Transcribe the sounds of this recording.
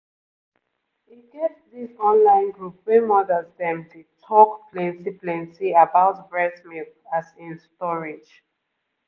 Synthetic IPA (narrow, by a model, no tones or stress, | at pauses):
hiɡevðisɔ̃nlãɪ̃nɡɹup̚wɛmɔdəzðɛ̃mtʰutʰɔkplɛ̃nsiplɛ̃nsiabaʊtbɹɛsmiθasĩnstɔɹid͡ʒ